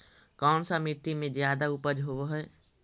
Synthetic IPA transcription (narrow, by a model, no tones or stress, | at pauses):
kaːnsamiʈ̪ːimẽd͡ʒjaːd̪aʊpəd͡ʒɦoʋeɦɛɛ